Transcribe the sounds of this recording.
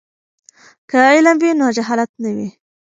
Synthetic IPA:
kəɪlamwinod͡ʒaɦɑlat̪̚nawi

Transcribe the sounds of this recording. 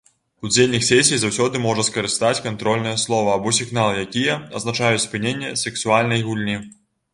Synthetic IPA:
ud͡zʲelʲnʲixsʲɛsʲijzawsʲɔd̪ɨmɔʐɐskɐɾɨst̪at͡sʲkant̪ɾɔlʲnɐjɛslˠɔvɐːbɔsʲiɣnalˠɨjakʲijɐɐ̰znat͡ʂajut͡sʲspɨnʲenʲːɛsɛksualʲnɐjɣulʲnʲi

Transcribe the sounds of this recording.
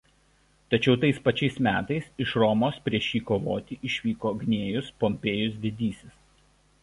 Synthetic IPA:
t̪ɐt͡ʃʲɛʊt̪ɐɪspɐt͡ʃʲɛɪsmʲæːt̪ɐɪsɪʃɾɔmoːspʲɾʲiɛʃʲiːkoːʋo̰ːt̪ʲiʔɪʃʲʋʲiːkoːɡnʲeːjʊspɔmʲpʲeːjʊsʋʲɪd̪ʲiːsʲɪs

